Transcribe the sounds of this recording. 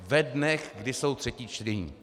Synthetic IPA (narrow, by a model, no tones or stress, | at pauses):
vɛdnɛxɡdɪso̞wt̪r̥ɛciːt͡ʃt̪ɾɛɲḭː